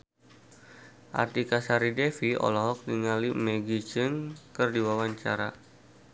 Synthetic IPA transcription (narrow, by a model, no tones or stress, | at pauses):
ʔa̰rt̪ikasaɾidɛfiɔ̰lɔɦɔk̚diŋalimɛɡit͡ʃənkɨrdiwawaɲt͡ʃa̰ɾa̰